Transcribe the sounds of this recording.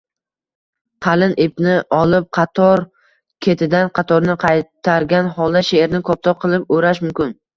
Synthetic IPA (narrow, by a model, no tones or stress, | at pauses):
qʰɑlɪnʔepnɪʔɒlˠɪp̚qʰɑt̪ʰɒɾ | kʲʰet̪ʰɪd̪anqʰɑt̪ʰɒɾnɪqʰɑjt̪ʰaɾɡʲanhɒlˠd̪aʃeeɾnɪkʰɒp̚t̪ʰɒqʰɨlˠɪp̚oɾaʃmʊmkʲɪn